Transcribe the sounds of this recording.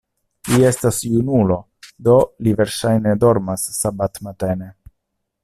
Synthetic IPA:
lie̞stasjunulo̞ | do̞live̞ɾʃajne̞do̞ɾmasːabatmatene̞

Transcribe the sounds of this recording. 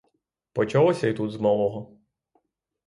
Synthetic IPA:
pɔt͡ʃalˠɔsʲɐit̪ut̪zmɔlˠɔɦɔ

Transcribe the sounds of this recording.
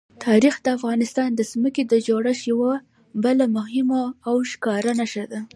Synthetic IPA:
t̪ʰɑɾixd̪əafɣɑnɪst̪ɑnd̪əsməked̪əd͡ʒoɽaʃjawa | bəlamʊɦɪmaːwʃkɑɾanaʃad̪a

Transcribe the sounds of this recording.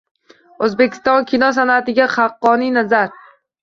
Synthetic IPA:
ɵzbekʲʰɪ̥st̪ɒnkʲʰɪnɒs̬anat̪ɪɡʲaχɑqːɒninazaɾ

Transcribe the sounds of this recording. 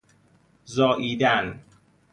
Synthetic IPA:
zɒːʔiːd̪æn

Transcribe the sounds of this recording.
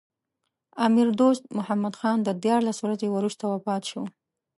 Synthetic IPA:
ɑmɪɾd̪ost̪̚mʊhamad̪xɑnd̪əd̪jɑɾlaswɾazewɾuʃt̪awapɑt̪ʃo

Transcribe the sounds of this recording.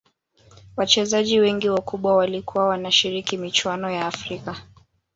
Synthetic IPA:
wat͡ʃɛzaʄiwɛŋɡiwakuɓwawalikuwawanaʃiɾikimit͡ʃwanɔjaːfɾika

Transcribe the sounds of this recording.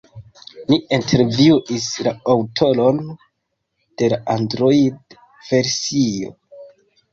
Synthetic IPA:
liintʰe̞ɾviuʔislaawtʰo̞lo̞n | d̥e̞laʔandɾoid | v̥e̞ɾsio̞̰

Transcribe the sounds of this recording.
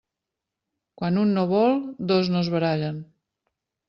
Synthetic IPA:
kwanunːoβ̞ɔlˠd̪oznozβəɾaʎən

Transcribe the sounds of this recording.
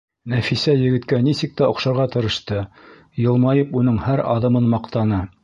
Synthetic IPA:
næfisæjɘ̆ɡɘ̆t̪kænisɘk̚t̪æŏqʃɑɾʁɑt̪ɤ̆ɾɤ̆ʃt̪ɤ | jɤ̆lˠmɑjɤpunɤɴhæɾɑ̰ðɤ̆mɤnmɑqt̪ɑnɤ

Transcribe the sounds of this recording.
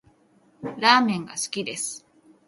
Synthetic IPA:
ɾaːmẽŋɡasɨ̥kʲid̪esɨ̥

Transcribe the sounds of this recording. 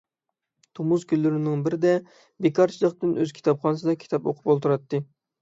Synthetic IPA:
t̪ʰomuzkʲʰylːyɾɪnɪŋbɪɾɪd̪ɛ | bekʰɑɾt͡ʃʰilˠəχt̪ɨnøz̥kʲʰi̥t̪ʰɑpχɑnɨsɨd̪ɑkʲʰi̥t̪ʰɑpo̰qʰʊ̥polˠt̪ʰuɾɑt̪ːɨ

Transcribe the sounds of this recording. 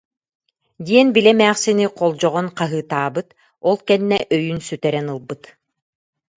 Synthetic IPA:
d̪iɛnbilɛmæːχsiniqʰɔlˠd͡ʑɔʁɔnqaɦɯːt̪aːbɯt̪ | ɔlˠkɛnːɛʔœjynsyt̪ɛɾɛnɯlˠbɯt̪

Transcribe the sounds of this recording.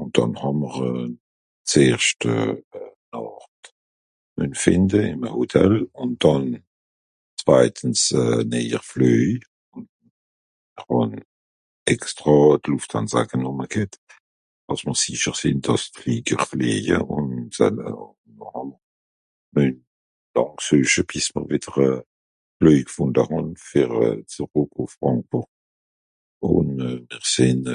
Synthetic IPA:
ʊn̚d̥ɑ̰nhɑməʁə | t͡seːʁʃtə̰nɔʁt | mœnfɪndəɪmhotʰɛlʊn̚d̥ɑn | t͡sv̥aɪtʰən̩sɛnɛə̰ʁfløː | ʊn | əʁhɔn | ɛkstʁɑdluftʰa̰nza̰ɡənuməɡ̥ɪt | ɑsməʁsiʃəʁsɪndɑstliːɡəʁfleːjə̰ʔʊnsa̰ | nɔʁam | mœn | lɑ̃ŋksøːʃəbismə̰ʁvidəʁə | fløjɡəfundaʁɔnfɛʁ̰t͡səʁokʰofʁɑ̃ŋk̚b̥uʁ | ʊ̰nmɛʁsɪn

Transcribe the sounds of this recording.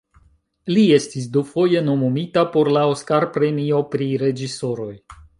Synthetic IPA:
lie̞stis̬dufo̞je̞nomumitapo̞ɾlao̞skaɾpɾe̞mio̞pɾiɾe̞d͡ʒiso̞ɾo̞j

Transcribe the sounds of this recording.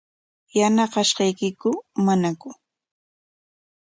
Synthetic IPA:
janɑɢɑʃɢɑjkɪkʊmanakʊ

